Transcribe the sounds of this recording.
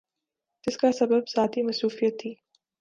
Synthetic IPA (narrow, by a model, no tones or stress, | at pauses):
d͡ʒɪskasɐbəbzaːt̪imɐsɾuːfijət̪ʰːiː